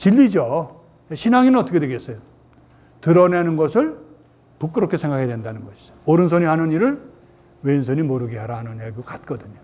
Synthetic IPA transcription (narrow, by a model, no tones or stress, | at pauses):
t͡ɕiʎːid͡ʑo | eɕʰinaŋinɯnʌt͈ʰʌkʰdweɡes͈ʌjo | tɯɾʌnenɯnɡʌsʰɯɭ | puk͈ɯɾokʰe̞sʰe̞ŋɡakʰedwendanɯnɡʌɕʰi̥sʌ̥ooɾɯnsʰoɲihanɯniɾɯɭ | weinsʰoɲimoɾɯɡeɦaɾaɦanɯnaɡiɡokat̚k͈ʌdɯɲo